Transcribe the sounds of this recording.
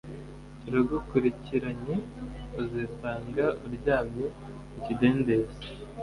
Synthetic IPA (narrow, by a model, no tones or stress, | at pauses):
iɾuɡukuɾiciɾaɲeuzisaːŋɡauɾɟaːmɲe | ucide̞ːnde̞ze